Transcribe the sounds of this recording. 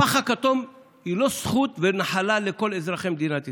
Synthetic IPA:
aχakat̪o̞m | ilo̞sχut̪venaħalaleko̞lezʁaχemd̪inat̪i

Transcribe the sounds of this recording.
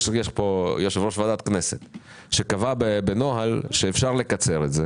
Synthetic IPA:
ʃevjeʃpo̞joʃevʁoʃvad̪at̪knese̞t̪ | ʃe̞kavabebeno̞ɦalʃeːfʃaʁle̞kat͡se̞ʁetze

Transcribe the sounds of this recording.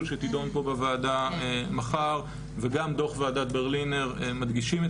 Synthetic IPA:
lʃet̪id̪o̞npo̞bevaːdaemaχaʁ | veɡamd̪o̞χvaadat̪̚beʁlineʁmad̪ɡiʃime

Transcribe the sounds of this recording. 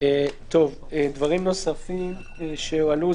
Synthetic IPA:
et̪o̞v | ed̪vaʁimno̞safim | ʃealu

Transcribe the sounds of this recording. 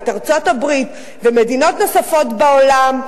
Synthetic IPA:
taʁt͡so̞tabʁit | veme̞dino̞tno̞safo̞tbaolam

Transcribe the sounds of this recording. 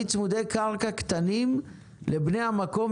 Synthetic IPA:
t͡smud̪e̞jkaʁkakt̪anim | lebnejamako̞m

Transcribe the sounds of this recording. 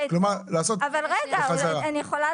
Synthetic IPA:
klomaʁlaːsot̪avalʁeɡaχazaʁaanijeχola

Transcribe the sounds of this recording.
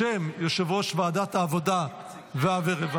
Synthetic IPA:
emjoʃevoʃvaːd̪at̪aːvod̪a | veaveʁeva

